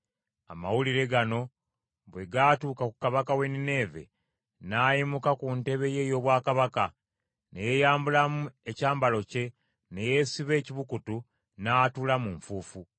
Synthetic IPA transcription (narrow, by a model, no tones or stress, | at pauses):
a̰ma̰wuliɾe̞ɡano̞ | βwe̞ɡatuːkakukaβakawe̞nine̞ːve̞̰ | naːjimukakunte̞βe̞je̞jo̞ːβwaːkaβaka | ne̞jejaːmbulamue̞caːmbalo̞ce̞ | ne̞je̞siβe̞ːciβukutu | naːtulamuɱfuːfu